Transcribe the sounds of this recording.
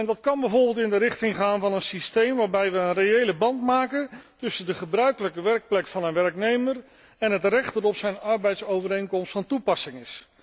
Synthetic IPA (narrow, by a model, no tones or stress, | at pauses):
ɛndɑtkɑnbɛjvoɹbɪlˠtɪndərɪχtɪŋχaːnvɑnənsistejmʋaːɹbɛjʋəənrejejləbɑntmaːkəntɵsəndəχəbrœɥkələkəʋɛɹk̚plɛkfɑnənʋɛɹknejmər | ɛnɦətrɛχtəɾɔpsɛjnɑɹbɛjtsowvəɾejŋkɔmstfɑntupɑsɪŋɪs